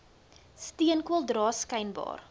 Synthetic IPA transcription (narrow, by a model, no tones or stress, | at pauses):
stiənkwɐlˠdɾɑːskɛjnbɑ̰ːr